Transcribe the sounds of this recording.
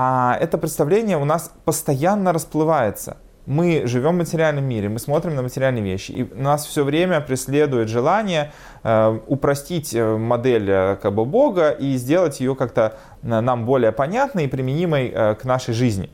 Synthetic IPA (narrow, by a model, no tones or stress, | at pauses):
aɛt̪əpɾʲɪt̪st̪ɐvlʲenʲɪjəʊnaspəst̪ɐjanːəɾəsplˠɨvajɪt̪sə̰ | mɨʐɨvʲo̞mvmətʲɪɾʲɪalʲnəmːʲiɾʲɪmɨsmo̞t̪ɾʲɪmnəmətʲɪɾʲɪalʲnɨjəvʲeɕːɪ̰ʔḭnasfsʲovɾʲemʲəpɾʲɪsʲlʲe̞d̪ʊjɪt̪ʐɨlˠanʲɪjə | ʊpɾɐsʲtʲitʲəmɐd̪ɛlʲəkaɡ̚bɨbo̞ɡəʔizʲdʲe̞lˠətʲjɪjokak̚t̪ə | nambo̞lʲɪjəpɐnʲat̪nəipɾʲɪmʲɪnʲiməjəknaʂəjʐɨzʲnʲɪ̰